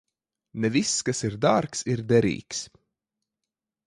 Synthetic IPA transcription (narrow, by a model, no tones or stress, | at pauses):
nɛviskasiɾd̪ɑːɾksiɾd̪ɛɾḭːks